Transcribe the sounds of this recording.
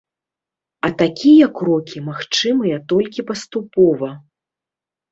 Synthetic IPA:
ɐt̪akʲijɐkɾɔkʲimaxt͡ʂɨmɨjɐt̪ɔlʲkʲipɐst̪upɔvɐ

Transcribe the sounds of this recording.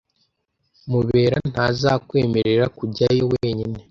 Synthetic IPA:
muβe̞ːɾan̥hazakwe̞ːmeɾe̞ɾakuɟajoweːɲine̞

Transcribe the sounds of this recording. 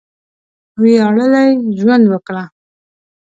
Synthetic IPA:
weaɽəlajʒwand̪wəkɽa

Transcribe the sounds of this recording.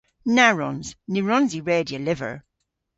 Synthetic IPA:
naɹɔ̃nz̥niɹɔ̃nziɹeːdiəlɪvə̰ɹ

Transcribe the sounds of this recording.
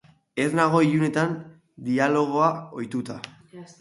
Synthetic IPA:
e̞rnaɣ̞o̞iʎune̞t̪an | d̪ialo̞ɣ̞o̞ao̞jt̪ut̪a

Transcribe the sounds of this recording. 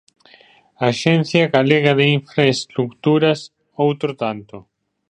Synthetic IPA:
aʃɛn̟θjaɡaleɣaðeiɱfɾaest̪ɾukt̪uɾas | owt̪ɾot̪ant̪o

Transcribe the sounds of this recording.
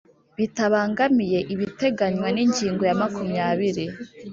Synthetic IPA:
βitaβaːŋɡamije̞ʔiβite̞ɡaɲwaniɲɟiːŋɡo̞jamakʰumɲaːβiɾi

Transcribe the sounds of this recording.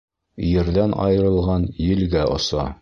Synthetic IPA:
jɘ̆ɾðænʔɑ̰jɤ̆ɾɤ̆lˠʁɑnjɘ̆lɡæʔŏ̰sɑ

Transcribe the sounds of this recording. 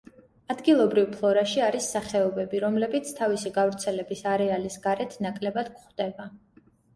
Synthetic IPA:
ad̪ɡilˠɔbɾivpʰlˠɔɾaʃiaɾisːaχɛɔbɛbiɾɔmlɛbit̪sʰt̪ʰavisiɡavɾt̪sʰɛlɛbisaɾɛalisɡ̥aɾɛt̪ʰnakʼlɛbad̪̥kχd̪ɛba

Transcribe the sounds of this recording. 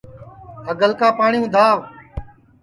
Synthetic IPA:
ɦəɡəlkaːpaːɳɪjũːd̪ʱaːʋ

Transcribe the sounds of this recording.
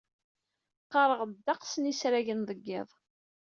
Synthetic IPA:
qːɑɾˤəʁd̪ːɑqsənisɾæʝənðˤəɡːɪðˤ

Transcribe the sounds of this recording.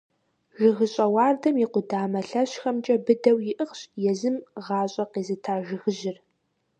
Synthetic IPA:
ʒɪɣɨɕʼɐwɑːrdɐmiqʷʊdaːmɐɬɐɕxɐmt͡ʃʼɐbɨdɐwjɪʔɨχɕʼjɛzɨmʁɑːɕʼɐqiːzɨtʰaːʒɪɣɨʑɪr

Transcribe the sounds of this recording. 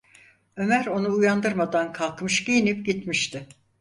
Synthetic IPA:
ø̞mæɾo̞nuːjand̪ɯɾmad̪ankʰalˠkmɯʃɟejinipɟit̪miʃt̪ʰɪ

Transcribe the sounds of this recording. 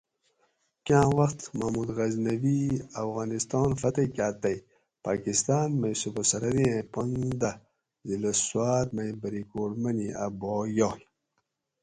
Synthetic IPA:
kãːwɐxt̪mamud̪ɣɐznɐviɐfɣaːnist̪ɑːnfɐt̪ɐkaːt̪ɐj | pakist̪aːnmɐjsubɐsɐɾɐɾiẽpond̪a | zilɐswaːt̪̚mɐjbɐɾikoːɾmɐniʔa̰boːjoːl

